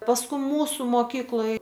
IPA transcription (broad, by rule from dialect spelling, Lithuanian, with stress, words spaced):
pɐsˈkʊ ˈmuːsʊ moːˈkʲiːklˠoːj